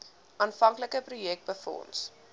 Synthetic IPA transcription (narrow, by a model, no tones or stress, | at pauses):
ʔɑːnfɐŋkləkəprujɛk̚t̚bəfɔ̰ns